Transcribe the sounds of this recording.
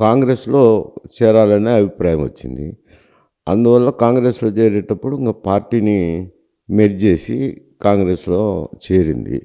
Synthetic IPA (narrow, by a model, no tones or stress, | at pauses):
kaːŋɡɾe̞ːslo̞ːt͡ʃɛːɾaːlɐneːɐbʱipɾaːjɐmʋɐ̰t͡ʃːḭnd̪ḭ | ɐnd̪uʋɐlːɐkaːŋɡɾe̞ːslo̞ːt͡ʃeːɾɛʈːɐpːuɽuiŋkɐpaːɾʈiːni | meɾd͡ʒe̞ːsḭ | kaːŋɡɾe̞ːslo̞ːt͡ʃeːɾḭnd̪ḭ